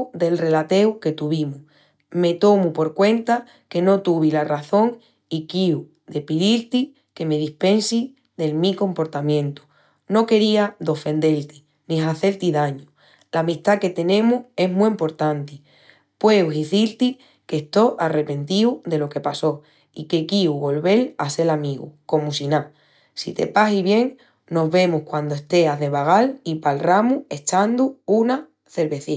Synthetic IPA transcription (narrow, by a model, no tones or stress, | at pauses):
d̪e̞lre̞lat̪e̞wke̞t̪uβ̞imu | me̞t̪o̞mupo̞ɾkwe̞nt̪a | ke̞no̞t̪uβilaraθo̞ŋ | ikiu | d̪e̞piðilt̪i | ke̞me̞ðihpe̞nsi | ðe̞lmiko̞mpo̞ɾt̪amjẽ̞nt̪u̥ | no̞ke̞ɾiad̪o̞fẽ̞nd̪e̞lt̪i | nĩɦaθe̞lt̪iðaɲu | lamiht̪ake̞t̪e̞nẽ̞mue̞ɦmuimpo̞ɾt̪ant̪i | pwe̞wɦiθilt̪i | ke̞st̪o̞ʔare̞pe̞nt̪iuðe̞lo̞ke̞paso̞ | ike̞kiuɣo̞lβe̞lase̞lamĩɣṵko̞musinã | sit̪e̞̰pasiβje̞ŋ | no̞ɦβe̞muhkwand̪oe̞st̪e̞aðe̞βaɣ̞alipalramue̞t͡ʃand̪uuna | θe̞ɾβe̞θi